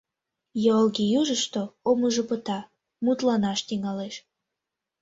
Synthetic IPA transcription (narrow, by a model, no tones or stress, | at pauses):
jolɣijuʒəʃt̪oomuʒəpət̪ɑ | mut̪lɑnɑʃt̪iŋɑleʃ